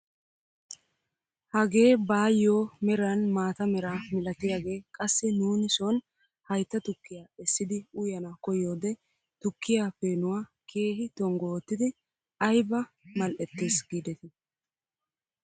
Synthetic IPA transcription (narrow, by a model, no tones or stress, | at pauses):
hɐɡe̞ːbaːjːoːmɛɾɐnmaːt̪ɐmɛɾaːmɪlɐt̪ɪjaːɡe̞ːkʼɐsːɪnuːnɪsɔn | hɐjt̪ːɐt̪ʊkːɪjaːɛsːɪd̪ɪʊjɐnɐkɔjo̞ːd̪ɛ | t̪ʊkːɪjaːpeːnʊwaːkʰe̞ːɦɪt̪ɔŋɡoːt̪ːɪd̪ɪ | ɐjbɐmɐlʔɛt̪ːeːsɡiːd̪ɛt̪ɪ